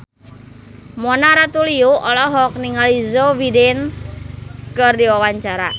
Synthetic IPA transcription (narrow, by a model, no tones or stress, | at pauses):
mɔnaɾat̪uliuɔlɔɦɔk̚niŋalizowiden | kərdiwawaɲt͡ʃaɾa̰